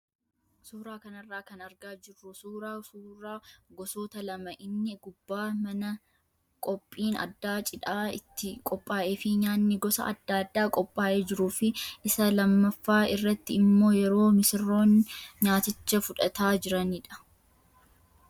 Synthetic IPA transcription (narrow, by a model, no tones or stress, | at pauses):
suːɾaːkɐnɐrːaːkɐnɐɾɡaːd͡ʒɪrːʊsuːɾaːsuːɾaːɡɔsoːt̪ɐlɐmɐʔɪnːɪɡʊbːaːmɐnɐ | kʼɔpʼːiːnɐ̰d̪ːaːt͡ʃʼɪᶑaːɪt̪ːɪkʼɔpʼːaːʔe̞ːfɪɲaːnːɪɡɔsɐ̰ɐ̰d̪ːaːd̪ːaːkʼɔpʼːaːʔe̞ːd͡ʒɪɾuːfɪʔɪsɐlɐmːɐfːaːɪrːɐt̪ːɪɪmːo̞ːjɛɾo̞ːmɪsɪrːo̞ːnɲaːt̪ɪt͡ʃːɐfʊᶑɐt̪aːd͡ʒɪɾɐniːᶑɐ̥